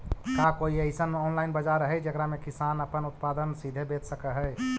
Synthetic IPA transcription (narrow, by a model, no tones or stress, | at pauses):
kakoiəɪsənɔnlainbəd͡ʒaɾəɦɛd͡ʒəkɾamekisanəpənut̪pad̪ənsid̪ʱebet̪səkəɦəj